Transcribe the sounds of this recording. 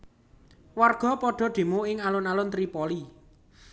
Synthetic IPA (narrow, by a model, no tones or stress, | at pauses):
warɡ̥ɔ̤pɔɖ̥ɔ̤ɖ̥e̤muɪŋalʊnalʊnt̪ɾipɔli